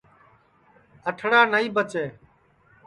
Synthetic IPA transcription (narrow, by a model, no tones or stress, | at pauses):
əʈʰɽaːnəiːbət͡ʃeː